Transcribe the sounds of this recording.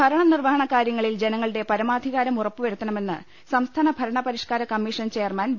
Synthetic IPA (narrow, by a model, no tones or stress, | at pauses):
bʱɐɾɐɳɐnirʋɐɦɐɳɐkːaːɾjɐŋːɐɭild͡ʑe̞nɐŋːɐɭɨɽe̞pɐɾɐmaːd̪ʱiɣaːɾɐmurɐpːuʋɐɾut̪ːɐɳɐme̞nːɨ | sɐmst̪ʰaːnɐbʱɐɾɐɳɐpɐɾiʂkaːɾɐkɐmːiːʂɐnt͡ɕejɐrmɐn